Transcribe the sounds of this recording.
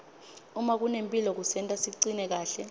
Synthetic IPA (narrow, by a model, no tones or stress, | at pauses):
umak̬unempʼilɔk̬usɛntʼasiǀinɛk̬aːɬɛ